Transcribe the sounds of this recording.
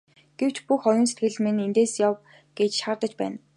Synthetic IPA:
ɡ̥ew̥t͡ɕpuxɔjɞ̆ːns̬e̥t̪ɡɘ̆ɮmenent̪eːsjaw | ɡ̥et͡ɕʃart̪ə̆t͡ɕpæ̰ːn

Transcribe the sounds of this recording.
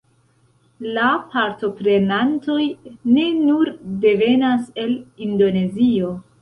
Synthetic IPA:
lapaɾto̞pɾe̞nanto̞jne̞nuɾde̞ve̞nase̞lindo̞ne̞zio̞

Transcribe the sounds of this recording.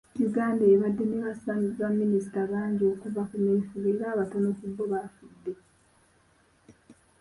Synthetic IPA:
juɡaːndeːβadːe̞neβasamiβamːinisi̥taβaːɲɟio̞ːkuvakuneːɱfuβeɾaːβatonokubːoβafudːe̞

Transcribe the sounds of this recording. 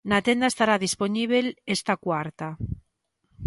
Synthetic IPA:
nat̪end̪aest̪aɾaðisponiβ̞elest̪akwaɾt̪a

